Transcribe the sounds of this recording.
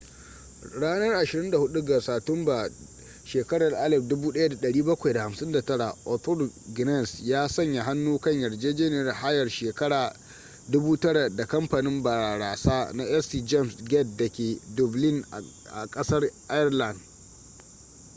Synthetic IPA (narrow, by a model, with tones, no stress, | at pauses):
ɽaː˦nɐ˦rʔa˨ʃɪ˨ɾɪ˦nda˨hʊ˦ɗu˦ɡa˨saː˨tʊ˦mba˨ | ʃeː˨kɐ˦ɽɐ˨rʔa˦lɛ˨f̚dʊ˦buː˦ɗɐ˦ja˦da˨ɗɐ˨ɽiː˦bɐ˦kʷa˨jda˨ha˨msɪ˦nda˨tɐ˦ɽa˨ʔɔ˨t̪ɔ˦lɡɪ˨nɛ˦˨nsjaː˦sɐ˦ɲja˨ɦa˦nːuː˦kɐ˦ɲjɐ˨rd͡ʒeː˦d͡ʒeː˦ne˨ɾɪ˨ha˦jɐ˨rʃeː˨kɐ˦ɽaː˨ | dʊ˦buː˦tɐ˦ɽa˨da˨kɐ˦mpa˨nɪ˦mba˨ɾaː˨ɽaː˨saː˦na˦ʔɛ˦si˨d͡ʒɛ˦˨msɡɛ˦t̚dɐ˨kʲeː˨dʊ˨blɪ˦˨n˨ | ʔa̰˨kʼɐ˦sɐ˦rʔa˦jɛ˦rla˨nd